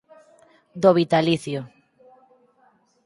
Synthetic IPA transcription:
d̪oβit̪aliθjo

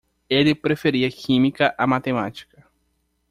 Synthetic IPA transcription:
elɪpɾefeɾiɐkʰĩmikɐʔamat̪emat͡ʃi̥kɐ

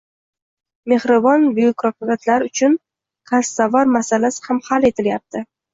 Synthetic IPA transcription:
me̞hɾɪbɒnbʊjʊkɾɒqʊvat̪ʰlaɾʊt͡ʃʰʊn | qʰasːavaɾmasalasɪ̥hamhale̞t̪ʰɪljap̚t̪ʰɪ

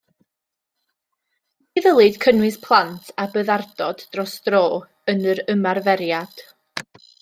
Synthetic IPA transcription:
iðəlˠɨd̥kʰənwɨspʰlˠantʰabəːðardɔdːrɔsd̥roː | ənəɾəmarvɛɾjad̥

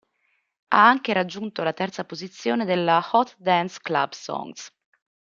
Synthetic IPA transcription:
a̰aŋkeɾad͡ʒːunt̪olat̪ɛrt̪sapozit̪sːjoːned̪elːaxɔt̪d̪ɛnskla̰bsɔ̰ŋs

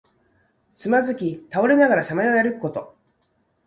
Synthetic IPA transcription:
t͡sɨmazɨkʲit̪ao̞ɾe̞naɡaɾaɕamaeo̞jaɾɯ̟kɯ̟ko̞t̪o̞

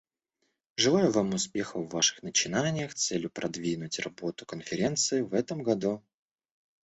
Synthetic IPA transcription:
ʐɨlˠajʊvamʊspʲe̞xəvːaʂɨ̥xnət͡ɕɪnanʲɪjəxt̪sɛlʲjʊpɾʔɐd̪vʲinʊtʲrɐbo̞t̪ʊkənfʲɪɾʲe̞nt̪sɨɪvɛt̪əmɡɐd̪u

